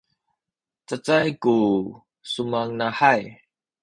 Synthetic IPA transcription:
t͡sət͡sajku | sumaŋnaħaj

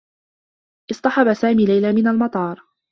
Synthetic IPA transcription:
ʔɨsˤt̪ˤɑħɑbasaːmiːlajlaːmɪnalmɑt̪ˤɑːɾˤ

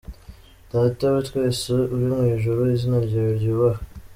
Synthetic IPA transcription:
d̥aːtawitkweːsiuɾimŋiːʒuɾuizinaɾɟeɾɾɟiwa

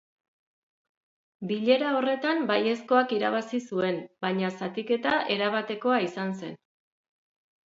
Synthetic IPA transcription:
biʎe̞ɾao̞re̞t̪ambaje̞sko̞akiɾaβ̞asisue̞mbaɲasat̪ike̞t̪aʔe̞ɾaβ̞at̪e̞ko̞aisanse̞̰n

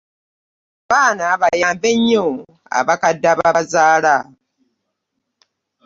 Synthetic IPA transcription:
βaːnaβajaːmbeɲːo | a̰βakadaβazaːla

